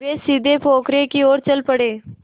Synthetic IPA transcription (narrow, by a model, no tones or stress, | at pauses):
esid̪ʱepʰokɾekiːoːɾt͡ɕəlpəɽe